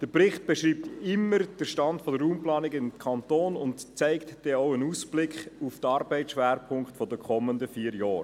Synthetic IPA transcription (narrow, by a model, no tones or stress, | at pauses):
d̥əɾprɪχt̚b̥ɛʃɾiːp̚t̪ɪmːəɾd̥əɾʃtɑndfɔdəɾːuːmplɑːnɪɡɪmkʰɑntoːnʊntt͡sæɪktd̥ɛoʊənuːsb̥lɪkχuftəɑɾbɛɪʃʋæːɾpʰʊŋkχtfɔdəkʰɔmːəndəfiːəɾjɑːɾ